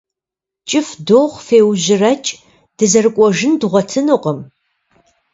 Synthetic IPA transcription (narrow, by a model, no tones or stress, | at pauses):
t͡ʃʼɪfdoʁʷfeːwʑɪrɐt͡ʃʼ | d̥ɨzɐrɨkʷʼɔʒɪndʁʷɔtʰɨnɨqəm